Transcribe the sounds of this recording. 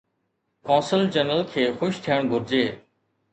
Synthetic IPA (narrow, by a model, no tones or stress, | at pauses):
kɔ̃ːsəlt͡ɕənəlkʰeːxʊʃt̪ʰijəɳ̃ɡʱʊɾd͡ʑeː